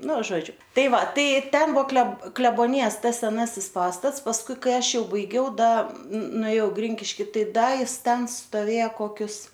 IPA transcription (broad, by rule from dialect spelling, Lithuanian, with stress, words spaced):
ˈnʊ ˈʒoːd͡ʒʲʊ ˈtɐɪ ˈʋɐ ˈtɐɪ ˈtʲɛn ˈbʊʋoː klʲɛ klʲɛboːˈnʲɪjɛs ˈtɐs sʲɛˈnɑːsʲɪs ˈpɑːstɐts pɐsˈkʊɪ ˈkɐɪ ˈɐʃ ˈjɛʊ bɐɪˈɡʲɛʊ dɐ nʊeːˈjɛʊ ˈɡrʲɪŋʲkʲɪʃʲkʲɪ ˈtɐɪ ˈdɐ ˈjɪs ˈtʲɛn stoːˈʋʲeːjɛ koːˈkʲʊs